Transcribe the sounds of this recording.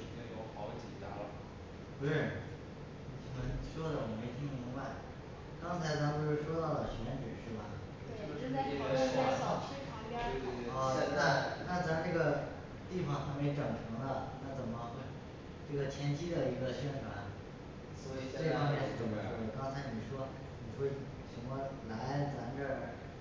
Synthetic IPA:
jo˧˩xɑ˧˥ʊ˧t͡ɕɛ˨˩t̪a̰˧˥lə˨ | xe˧˥ɻə˨˩n˩˨˩ | ə˧˥nʂwɔ˥d̪ə˨wɔ˨˩me˧˥˩ɪt̪ʰi˥ŋi˧˥ŋwa˥˩ɪ | kɑ˥ŋt͡sʰa˧˥ɪt͡sʰpo˥˧ʊʂɻ̩˥˩ʂwɔ˥t̪ɑ˥˩ʊd̪ə˩ɕɥɛ˧˥nʈ͡ʂɻ̩˨˩ʂɻ̩˥˩bɐ˩˥˩ | ɛ˥˧˥ɔ˥˧˥na˥˧na˥˧t͡sa˥˧ɪʈ͡ʂɤ˥˩ɡə˩ | t̪i˥˩fɑ˨˩ŋxa˧˥me˧˥ɪʈ͡ʂɤ˨˩ŋʈ͡ʂʰɤ˧˥ŋd̪ə˧na˥˩t͡sə˨˩nmə˧xwe˥˩ɪ | ʈ͡ʂɤ˥˩ɡə˩t̪ʰjɛ˧˥nt͡ɕʰi˥d̪ə˨i˧˥ɡə˧ɕɥɛ˥nʈ͡ʂʰwa̰˨˩˦n | swɔ˧˥i˨˩t͡se˥˩ɪfɑ˥mjɛ˥˧nʂɻ̩˥˩t͡sə˨˩ŋʈ͡ʂʰɤ̰˧˥ŋd̪ə˧˩kɑ˥ŋt͡sʰa˧˥ɪni˨˩ʂwɔ˥ | ni˨˩xwe˥˩ɪ | ɕʰi˧˥ŋkwɔ˥˩la˧˥ɪt͡sa˧˥nʈ͡ʂə˥˧

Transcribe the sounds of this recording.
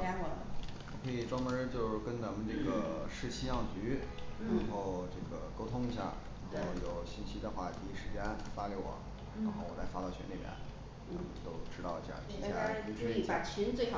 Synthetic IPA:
a˥ɔ˨˩wɔ˨˩kʰɤ˧˥i˨˩ʈ͡ʂwɑ˥ŋmə˧˥t͡ɕjo˥˧ʊʂ̩˥˩kə˥nt͡sa˧˥mə˧nʈ͡ʂɤ˥˩ɡə˩ʂɻ̩˥˧t͡ɕʰi˥jɑ˥˩ŋt͡ɕy˧˥ | ɻa˧˥xo˥˧ʊʈ͡ʂɤ˥˩ɡə˩ko˥ʊt̪ʰʊ˥ŋi˧˥ɕja̰˥˩ | ɻa˧˥xo˥˩ʊjo˨˩ʊɕi˥nt͡ɕʰi˥d̪ə˧xwa˥˩t̪ʰi˧˥ʂɻ̩˧˥t͡ɕjɛ˥nfa˥li˧˩wɔ̰˨˩˦ | ɻa˧˥nxo˥˧ʊwɔ˨˩la˧˥ɪfa˥t̪ɑ˥˩ʊt͡ɕʰɛ̰˧˥nli˨˩bjɛ̰˨˩˦n | na̰˩˧˩mə˨nt̪o˥ʊʈ͡ʂɻ̩˥t̪ɑ˥˧ʊi˧˥ɕa̰˧˩˥i˧˥ja̰˥˩˧i˧˥˧a˨˩t͡ɕʰi˧˥nt͡swe˥˩ɪf

